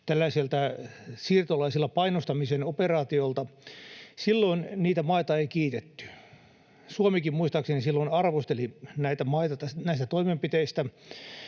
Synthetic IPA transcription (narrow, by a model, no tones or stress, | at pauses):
t̪ælːæiselt̪æsiːrt̪olɑisilːɑpɑinost̪ɑmisenoperɑːt̪iolt̪ɑ | silːoinniːt̪æmɑit̪ɑeikiːt̪et̪ːy̥ | suomikimmuist̪ɑksenisilːoinɑrʋost̪elinæit̪æmɑit̪ɑt̪æsnæist̪æt̪oimempit̪eist̪æ